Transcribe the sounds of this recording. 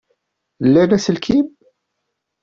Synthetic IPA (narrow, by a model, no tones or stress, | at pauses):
lːænæsəlkʰib